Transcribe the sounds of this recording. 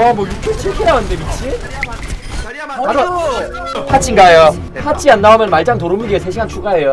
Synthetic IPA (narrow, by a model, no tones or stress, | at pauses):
amwʌjukʰet͡ɕʰikʰiɾawandebit͡ɕʰi | aɾo | pʰat͡ɕ͈ʰiŋɡajo | pʰat͡ɕ͈ʰianːaomjʌnmaɭt͡ɕ͈aŋtoɾomɯɡiesʰeɕʰiɡant͡ɕʰuɡaejo